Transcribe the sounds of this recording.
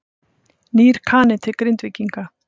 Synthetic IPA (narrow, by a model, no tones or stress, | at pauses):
niːɾ̥kʰaːnɪt̪ʰɪkɾɪnt̪vɪcːiŋka